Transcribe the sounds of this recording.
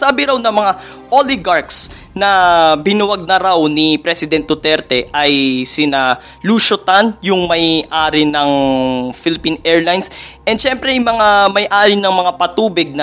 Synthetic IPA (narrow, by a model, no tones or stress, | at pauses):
saːbɪɾawnɐmɐŋa | ʔolɪɡaɹks | nɐbɪnʊwɐɡ̚nɐɾawnipɾɛsɪd̪ɛnt̪̚d̪ʊt̪ɛɾt̪ɛʔɐjsɪna | luʃot̪anjʊŋmɐjʔaːɾɪnɐŋfɪlɪpinʔɛɹlajnsʔɛnd̪ʃɛmpɾɛmɐŋamɐjʔaːɾɪnɐŋmɐŋapɐt̪uːbɪɡ̚nɐ